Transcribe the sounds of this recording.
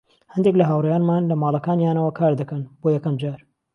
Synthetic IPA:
hɐnd̪ek̬lɐɦaːwrɛjaːnmaːnlɐmaːlˠɐkaːnjaːnɐwɐkʰaːɾd̪ɐkɐnboːjɛkɐmd͡ʒaːɾ

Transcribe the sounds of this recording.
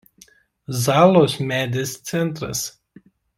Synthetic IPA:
zɑːlˠoːsmʲæːd̪ʲest̪sʲɛnˑt̪ɾɐ̰s

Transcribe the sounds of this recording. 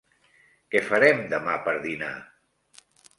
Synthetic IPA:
kɛfəɾɛmd̪əmapəɾðina̰

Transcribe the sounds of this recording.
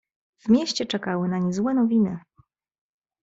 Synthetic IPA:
vmʲjeɕt͡ɕɛt͡ʂɛkawɘnaɲizwɛnɔvʲinɘ

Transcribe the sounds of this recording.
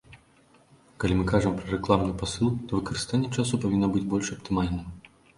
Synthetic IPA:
kalʲimɨkaʐɨmpɾɐɾɛklˠamnɨpasɨlˠt̪ɔvɨkɐɾɨst̪anʲːɛt͡ʂas̬upavʲinːɔbɨd͡zʲbɔlʲʂɐpt̪ɨmalʲnɨm

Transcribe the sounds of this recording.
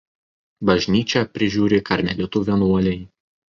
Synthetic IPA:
bɐʒʲnʲiːt͡ʃʲɛpʲɾʲɪʒʲuːɾʲekɐɾʲmʲɛlʲɪt̪uːʋʲiɛnuɔlʲɛɪ

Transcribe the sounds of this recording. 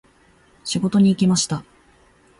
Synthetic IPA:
ɕiɡo̞t̪o̞ɲ̟iːkʲimaɕi̥t̪a

